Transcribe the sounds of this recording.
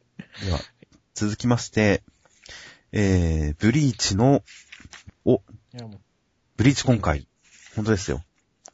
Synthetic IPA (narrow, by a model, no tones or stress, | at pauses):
d̪eβa̰ | t͡sɨzɨkʲimaɕi̥t̪e̞ | eːb̥ɯ̟ɾʲiːt͡ɕino̞ | o | b̥ɯ̟ɾʲiːt͡ɕi̥kõ̞ŋkai | hõ̞nt̪oe̞sɨjo̞̰